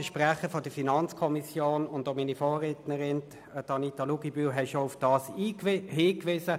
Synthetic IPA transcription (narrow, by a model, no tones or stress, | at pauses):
əʃpʁaχəfɔd̥əfinɑnt͡skʰɔmisjoːnʊnd̪ominifoːʁetnəʁɪn | tɑnit̪ɑluɡibyːɦɛʃoʊfd̥ɑːsiːɦiːkʋɪsə